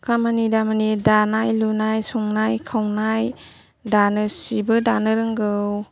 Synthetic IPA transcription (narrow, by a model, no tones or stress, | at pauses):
kʰamanidamanidanajlunajsɔŋnajkʰawnaj | danɯsibɯdanɯɾɯŋɡɯw